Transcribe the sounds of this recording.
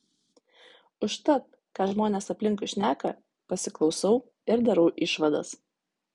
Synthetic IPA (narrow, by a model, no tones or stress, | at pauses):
ʊʃt̪ɐt̪ | kɑːʒmoːnʲeːsɐpʲlʲɪŋˑkʊʃʲnʲæːkɐ | pɐsʲɪklˠɒʊsɐʊ | ɪɾd̪ʲɐɾɐʊʔɪʃʋɐd̪ɐ̰s